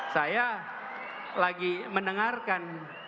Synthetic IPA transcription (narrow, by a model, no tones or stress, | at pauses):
saja | laɡimənəŋarkan